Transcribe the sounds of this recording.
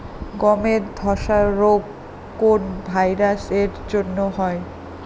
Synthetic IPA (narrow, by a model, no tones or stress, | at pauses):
ɡɔmeɾd̪ʱɔʃaɾoɡ | konbʱajɾaseɾd͡ʑonːoɦɔe